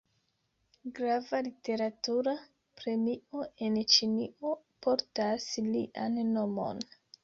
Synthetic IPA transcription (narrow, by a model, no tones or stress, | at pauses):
ɡɾavalite̞ɾatuɾa | pɾe̞miʔo̞ʔe̞nt͡ʃiniʔo̞ | po̞ɾtaslḭʔanːo̞mo̞̰n